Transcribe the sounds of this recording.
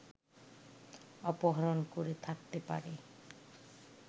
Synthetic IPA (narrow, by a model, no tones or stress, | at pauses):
ɔpɔɦɔɾonkoɾet̪ʰakt̪epa̰ɾe